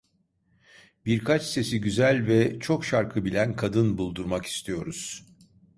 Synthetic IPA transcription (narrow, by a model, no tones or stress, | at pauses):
biɾkʰat͡ʃse̞siɟyzælʲvɛt͡ʃʰo̞kʃaɾkʰɯbilʲænkʰad̪ɯnbulˠd̪uɾmaki̥st̪ʰijo̞ɾuz̥